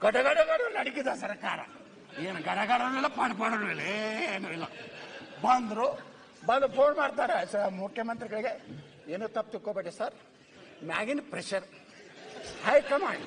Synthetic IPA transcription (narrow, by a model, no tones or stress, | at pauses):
ɡ̥ɐʈɐɡaɖɐɡaːɽɐnɐɽikid̪asɐɾkaːɾɐ̰ | eːnuɡɐɖɐɡaːɽɐnuilːɐpaɽpaːɽɐnuilɐeeːnuilːɐbɐnd̪ɾu | bɐlupʰoːnmaːɖt̪aːɾesmukʰjɐmɐnt̪ɾiɡɐɭiɡe | eːnuːt̪ɐp̚ːt̪ikːoːbeʈːesaɾ | ma̰ːɡinpɾeʃɐɾ | hɐjkɐmaːɳɖ